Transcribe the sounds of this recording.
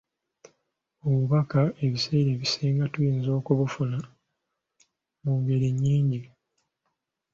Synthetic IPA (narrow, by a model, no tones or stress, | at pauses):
oβuβakae̞βise̞ːɾeːβiseːŋɡatujiːnzo̞ːkuβufuna | muŋɡe̞ɾiɲːiːɲɟi